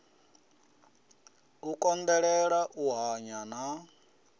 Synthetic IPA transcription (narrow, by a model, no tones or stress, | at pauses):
ukʼɔnd̪ɛɺɛɺaʔuɦaɲana